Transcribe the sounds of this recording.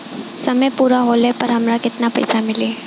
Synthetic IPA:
sɐməpuːɾaɦolepɐɾɦɐmɾakɪt̪napɐ̰jsamɪliː

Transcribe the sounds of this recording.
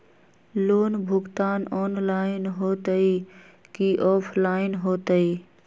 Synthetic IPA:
loːnbʱʊɡt̪aːnɔːnlaːɪnɦoːt̪əi | kiʔɔːpʰlaːɪnɦoːt̪əi

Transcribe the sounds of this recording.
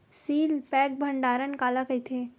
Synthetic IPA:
siːlpɛːk̚bʱəɳɖaːɾənkaːlakɐjt̪ʰe

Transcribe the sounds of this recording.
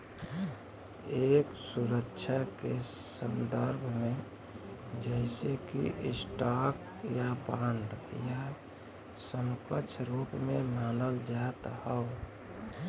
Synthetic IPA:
eːksuɾəkːt͡ʃʰake | sənd̪əɾbʱme | d͡ʒəɪsekḭʔsʈak | jabãɳɖja | səmkət͡ʃʰɾupmemaːnəld͡ʒat̪həo

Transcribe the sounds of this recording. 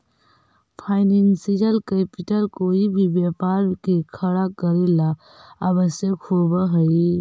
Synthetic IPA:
pʰaːɪnẽnsid͡ʒəlkepɪʈəlkoːibʱibjapaːɾkekʰəɽakəɾila | abəsjəkkhoːbəɦəi

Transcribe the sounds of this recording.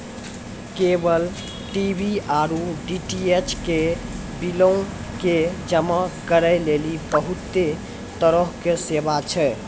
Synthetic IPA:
kebəl | ʈibʱiaɾuɖiʈiet͡ʃke | bilõ | ked͡ʒəmakəɾəlelibəɦut̪ːe | t̪əɾəɦkesebat͡ʃʰɛ

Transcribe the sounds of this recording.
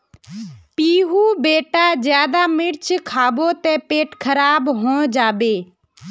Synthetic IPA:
piːɦuːbeːʈazjaːd̪amɪɾt͡ʃkʰaːboːt̪ɛ̃ːpeːʈkʰəɾaːbɦõːd͡ʒaːbeː

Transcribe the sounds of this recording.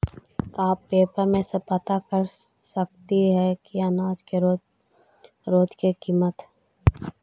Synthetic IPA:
aːpːeːpəɾmẽsepɐt̪akəɾ | sək̚t̪iɦɛkianaːd͡ʒkeɾo | ɾoːd͡ʒkekiːmət̪ɦ

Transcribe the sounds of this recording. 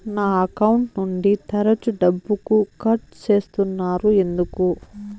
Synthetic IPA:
naːɐkɐwuɳʈnuɳɖit̪ɐɾɐt͡ʃuɖɐbːukukɐʈ̚t͡ʃe̞ːst̪unːaːɾue̞nd̪uku

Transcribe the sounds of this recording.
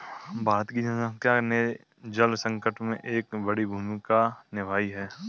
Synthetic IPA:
bʱaːt̪kid͡ʒɐakjaːne | d͡ʒəlsə̃ŋkəʈmẽʔeːkbɐɽibʱuːmikanɪʋʱaːiɦɛː

